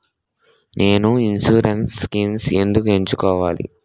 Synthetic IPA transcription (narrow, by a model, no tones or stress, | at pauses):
nʔe̞ːnuinsuːɾenskimse̞nd̪ukueɲt͡ʃukɔːʋaːlḭ